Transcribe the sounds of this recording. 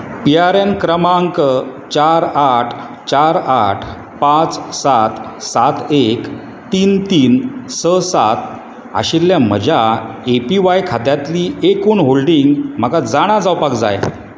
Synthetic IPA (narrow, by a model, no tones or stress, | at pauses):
piaɾenkɾəmaəŋkət͡ɕaɾaʈʰ | t͡ɕaɾaʈʰ | pãt͡ssat̪sat̪ek | t̪iːnt̪iːnsəsat̪ | a̰ɕilːjam̤ə̰d͡ʑʱaepiʋajkʰad̪jat̪liːekoɳɦolɖiŋɡm̤akad͡zaɽ̃ad͡zawpakd͡za̰j